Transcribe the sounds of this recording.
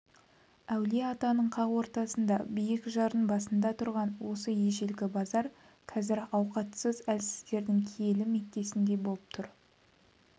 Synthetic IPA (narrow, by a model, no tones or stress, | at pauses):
æwleɑt̪ɑnəɴqʰɑʁwo̞ɾt̪ɑsənd̪ɑbijɪkʒɑɾənbɑsənd̪ɑt̪ʰʊɾʁɑnwo̞səje̞ʒe̞lɡʲɪbɑzɑɾ | qʰɑzɪɾɑwqɑt̪səzælsɪ̥zd̪e̞ɾd̪ɪŋkʲʰeje̞lɪme̞k̚t̪e̞sɪnd̪e̞bo̞lˠəp̚t̪ʰʊɾ